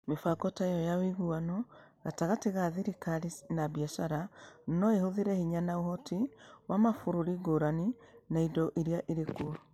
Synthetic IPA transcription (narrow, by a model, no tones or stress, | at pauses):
mefakɔtajɔjawiɣuanɔ | ɣataɣateɣaðiɾikaɾinaβjaʃaɾanɔehoðiɾɛhiɲanaoɦɔtiwamafoɾoɾiɡoɾaninaidɔʔiɾiaʔeɾekuɔ